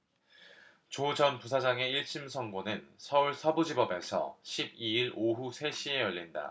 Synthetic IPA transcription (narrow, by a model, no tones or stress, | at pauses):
t͡ɕod͡ʑʌnpus̬ʰad͡ʑaŋe̞iɭt͡ɕʰimsʰʌŋɡonɯnsʰʌuɭsʰʌbud͡ʑibʌbe̞sʰʌ̰ɕʰib̚iiɾoɦusʰe̞ɕʰie̞jʌʎːinda̰